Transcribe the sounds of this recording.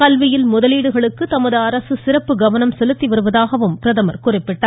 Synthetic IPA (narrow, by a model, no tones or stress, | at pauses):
kɐlʋɪjɪlmʊðɐliːɽɯɣɐɭɯkːɯt̪ɐmɐðɯɐɾɐsɯsɪrɐpːɯɡɐʋɐnɐmsɛlɯt̪ːiʋɐɾɯʋɐðaːɣɐʋɯmpɪɾɐðɐmɐɾkʊrɪpːɪʈːaːɾ